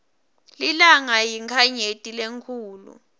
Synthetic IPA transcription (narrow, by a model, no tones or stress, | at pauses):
lilaŋajiŋkʰaɲetʼileŋkʰuːlṵ